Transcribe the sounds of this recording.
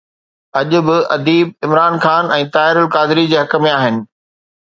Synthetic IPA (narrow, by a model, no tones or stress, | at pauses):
ɐʄʊ̆bɪʔɐd̪iːb̚ɪmɾaːnxaːnɛ̃ːt̪aːɪɾəlkaːd̪ɪɾid͡ʑeːɦɐk̆mẽaːɦɪnɪ̆